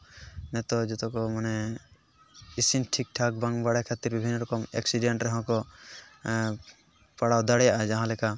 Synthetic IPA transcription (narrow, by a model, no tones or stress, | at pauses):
nɛt̪ɔd͡ʒɔt̪ɔkɔmanɛ | isinʈʰik̚ʈʰak̚baŋbaɽakʰat̪iɾbibʱinːɔɾɔkɔmḛksiɖɛɳʈɾɛɦɔ̃kɔ | paɽawd̪aɽɛjaʔad͡ʒaɦãlɛka